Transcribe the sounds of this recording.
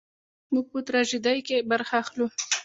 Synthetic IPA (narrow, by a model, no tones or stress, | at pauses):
muɡ̚pət̪ɾɑʒɪd̪ajkebaɾxaːxlu